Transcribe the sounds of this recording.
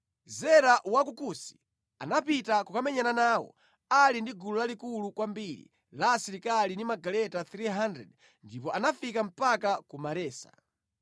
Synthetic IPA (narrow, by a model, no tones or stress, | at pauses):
zɛɾaʔwak̬ukusi̥ | a̰napitakukamɛɲananaːwɔ̰ | alindiɡulɔlalikulukwambiɾḭ | lasiɾikalinimaɡalɛtaθɾiɦandɾɛ̰d | ndipɔʔanafikam̩pakakumaɾɛːsḁ̰